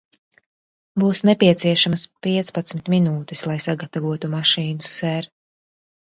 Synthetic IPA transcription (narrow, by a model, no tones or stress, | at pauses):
buːsnɛpʲiɛt̪siɛʃamɐspiɛt̪spat̪smit̪minuːt̪islˠajsaɡat̪avuɔt̪umaʃiːnusɛɾ